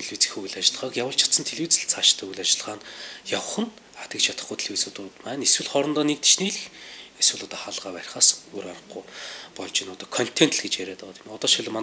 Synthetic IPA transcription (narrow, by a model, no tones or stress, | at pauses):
eɮwiːt͡sĭ̥xuɣ̆ɮat͡ɕɪ̆ɮ̆ʁə̆kjawə̆ɬt͡ɕʰḁt̪sə̆nt̪ʰeɮwiːt͡sɘ̆ɬt͡sʰaʃt̪ʰːɵɣɘɮat͡ɕɪɮʁaːnjaw̆χə̆n | at̪ʲə̆k̚t͡ɕʰat̪ə̆χɡujt̪ʰe̥ɮwit͡sut̪ʊt̪mæːneswɘ̆ɮχɔɾɞ̆nt̪ɔːnek̚t̪̆ʃniːɮɘxeswɘ̆ɮʊt̪ɔχaɮʁaːpæːɾʲɪ̆χaːsɵɾaɾə̆χɡujpɔɮt͡ɕɪnʊt̪ɔːkʰɔn̥t̪ʰen̥t̪ɮɡet͡ɕjæɾeːt̪ɔːt̪imɔt̪ɔːʃiɮ̆ʲman